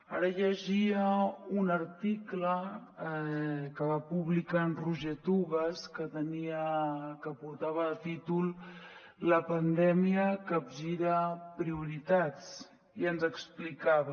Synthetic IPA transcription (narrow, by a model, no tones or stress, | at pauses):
a̰ɾəʎəʒiəunəɾt̪iklə | kəβapuβlikanruʒet̪uβəskət̪əniəkəpuɾt̪aβəːt̪it̪ulˠ | ləpənd̪ɛmiəkəbʒiɾəpɾiuɾit̪at͡s | iənzəksplikaβə